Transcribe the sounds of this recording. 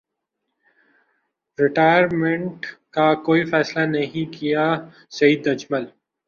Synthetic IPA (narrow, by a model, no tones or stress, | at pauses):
ɾɪʈaːjəɾmẽɳʈkakoːifɛːslanɐɦĩkija | sɐiːd̪ɐd͡ʒməl